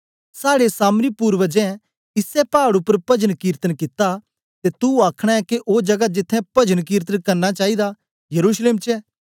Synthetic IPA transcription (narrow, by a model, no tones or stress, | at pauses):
saːɽesaːmɾipuːɾʋəd͡ʒɛ̃ | ɪsɛpaːɽʊpːəɾpɐd͡ʒənkiːɾt̪ənkɪt̪a | t̪et̪uaːkʰɽ̃aɛkeʔoːd͡ʒɐɡad͡ʒɪt̪ʰːɛ̃pɐd͡ʒənk̬iːɾt̪̬ənkɐɾnat͡ʃaːid̪a | jɐɾuːsleːmt͡ʃɛ